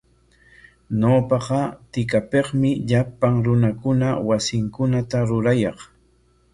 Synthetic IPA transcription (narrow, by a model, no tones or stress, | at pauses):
ɲoːpɑqɑt̪ɪkapeqmɪʎapaŋɾʊnakʊnawasɪŋkʊnat̪aɾʊɾajɑχ